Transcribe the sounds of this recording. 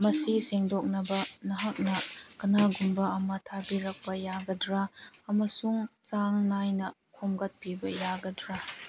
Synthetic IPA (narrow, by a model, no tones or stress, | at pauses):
mɐsiseŋdok̚nɐbɐnɐɦak̚nɐkɐnaɡumbɐɐmɐtʰabiɾɐk̚pɐjaɡɐdɾaːmɐsuŋt͡ʃaŋnajnɐ | kʰumɡɐt̚pibɐjaɡɐdɾa